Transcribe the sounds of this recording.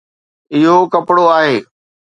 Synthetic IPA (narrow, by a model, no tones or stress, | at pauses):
ɪɦokɐpɽoaːɦeː